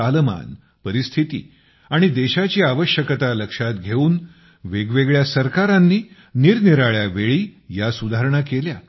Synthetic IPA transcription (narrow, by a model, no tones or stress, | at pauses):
alma̰n | pəɾist̪ʰit̪ḭː | aɽ̃id̪eɕat͡ɕiːaʋəɕjəkət̪aləkʂat̪ɡʱeuːn | ʋeɡʋeɡɭjasəɾkaɾanːiː | niɾniɾaɭjaʋeɭiːjasud̪ʱaɦɾəɳakelja